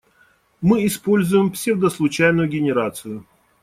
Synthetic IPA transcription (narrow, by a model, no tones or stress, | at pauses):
mɨɪspo̞lʲzʊjɪmpsʲevd̪əslˠʊt͡ɕæjnʊjʊɡʲɪnʲɪɾat̪sɨjʊ